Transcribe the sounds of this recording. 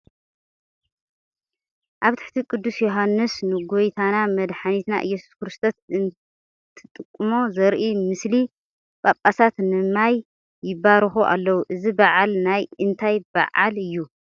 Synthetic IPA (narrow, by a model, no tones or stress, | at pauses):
ʔaβt̪ʰɨħt̪ʰikʼɨd̪ːusjoɦanːɨsnɨɡojt̪ʰanamɐd̪ħanit̪na̰ʔɨ̰jːɛsu̥skɨɾɨst̪ʰot̪ɨn | t̪ʰʼɨt̪ʼːɨkʼːmo̞zɐɾʔimɨsli | bʼapʼːasat̪nɨmajː | ɪbaɾɨxuʔa̰lːɐwuʔɨzibaʕalnajɨnt̪ʰajba̰ʕalɨjːu